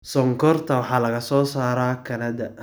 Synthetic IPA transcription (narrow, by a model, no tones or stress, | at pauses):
sɔŋkʰɔrt̪ʰɐwɑħɑːlɐɣɐsɔːsaːɾaːkʰɐnɐd̪ɐ